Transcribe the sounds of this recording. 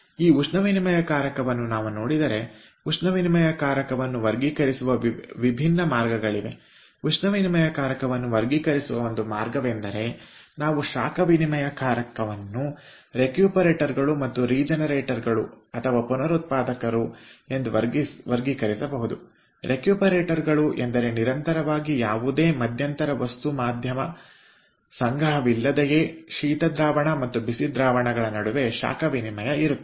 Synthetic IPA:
iːuʂnɐʋinimɐjɐkaːɾɐkɐʋɐnːunaːʋuno̞ːɽid̪ɐɾe̞ | uʂnɐʋinimɐjɐkaːɾjɐkɐʋɐnːuʋɐɾɡikɐɾisuʋɐʋibʱinːɐmaːɾɡɐɡɐɭiʋe̞̰ | uʂnɐʋinimɐjɐkaːɾɐkɐʋɐnːuʋɐɾɡikɐɾisuʋɐond̪umaːɾɡɐʋe̞nd̪ɐɾe̞naːʋuʃaːkɐʋinimɐjɐkaːɾɐkɐʋɐnːu | ɾe̞kjuːpɐɾeːʈɐɾɡɐɭumɐt̪ːuɾiːd͡ʒɐnɐɾeːʈɐɾɡɐɭṵ | ɐt̪ʰɐʋaːpunɐɾut̪̚paːd̪ɐkɐɾue̞nd̪uʋɐɾɡisʋɐɾɡikɐɾisɐbɐɦud̪u | ɾe̞kjuːpɐɾeːʈɐɾɡɐɭuʔend̪ɐɾe̞niɾɐnt̪ɐɾɐʋaːɡijaːʋud̪e̞ːmɐd̪ʱjɐnt̪ɐɾɐʋɐst̪umaːd̪ʱjɐmɐ | sɐŋɡɾɐɦɐʋilːɐd̪ejeʃiːt̪ɐd̪ɾaːʋɐɳɐmɐt̪ːubisid̪ɾaːʋɐɳɐɡɐɭɐnɐɽuʋe̞ʃa̰ːkɐʋinimɐjɐiɾut̪ː

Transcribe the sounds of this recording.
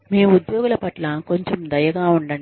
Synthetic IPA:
miːud̪joːɡulɐpɐʈlɐko̞ɲt͡ʃemd̪ɐjɐɡaːuɳɖɐɳ

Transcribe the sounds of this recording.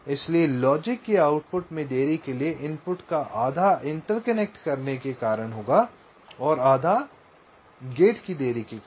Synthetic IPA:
ɪslielɔːd͡ʒɪkːiaːʊʈpʊʈmẽd̪eːɾikelieʔɪ̃mpʊʈkaʔaːd̪ʱaʔɪ̃ɳʈəɾkɐnɛk̚ʈkɐɾnekekaːɾəɽɦoːɡa | ɔːɾaːd̪ʱa | ɡeːʈkid̪eːɾiki

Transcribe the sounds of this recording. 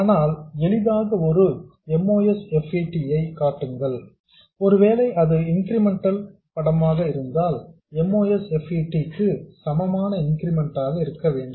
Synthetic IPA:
aːnaːlɛlɪðaːɣɐɔɾɯɛmːoːjɛsɛfɐʈːijɐɪkaːʈːɯŋɡɐɭ | ɔɾɯʋeːlɐɪʔɐðɯɪŋɡɪɾɪmɛɳʈːɐl | pɐɽɐmaːɣɐɪɾɯnd̪aːl | ɛmoːjɛsɛfɐʈːikːɯsɐmɐmaːnɐɪŋɡɪɾɪmɛɳʈaːɣɐɪɾɯkːɐʋeːɳɖɯm

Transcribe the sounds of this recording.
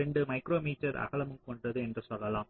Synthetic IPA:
ɾɛɳɖɯmɐɪkɾoːmiːt͡ʃːɐɾɐ̰ɣɐɭɐmɯmkɔɳɖɐðɯɛndrɯsɐlːɐlaːm

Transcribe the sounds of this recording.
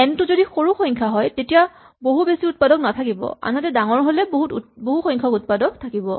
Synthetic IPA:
ɛntʊzodixoɹuxɔjŋkʰaɦɔjtetija | boɦubesiut̚padɔknatʰakibɔ̰a̰natɛdaŋɔɹɦolɛboɦutboɦuxɔ̃jŋkʰɔkut̚padɔk̚tʰakibɔ̰

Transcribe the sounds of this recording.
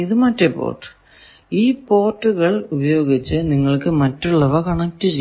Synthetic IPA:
iðɨmɐtːepo̰ːrʈːɨ̥ | iːpo̞ːrʈːuɣɐɭubɐjo̞ːɡit͡ɕːɨniŋːɐɭkɨmɐtːuɭːɐʋɐkɐɳɐk̚tːɨt͡ɕej

